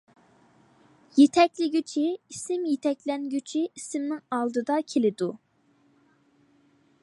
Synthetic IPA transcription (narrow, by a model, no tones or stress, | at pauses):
jet̪ʰɛkʲlɪɡʲyt͡ʃʰiisɪmjet̪ʰɛkʲlɛnɡʲyt͡ʃʰiisɪmnɪŋɑlˠd̪ɨd̪ɑkʲʰelɪd̪u